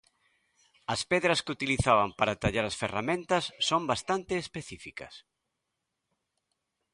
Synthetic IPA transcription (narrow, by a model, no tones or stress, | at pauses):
ɐspɛðɾɐskut̪iliθaβampaɾat̪aʎaɾɐsferamẽnt̪ɐsːombast̪ant̪ɪːspeθifikɐ̰s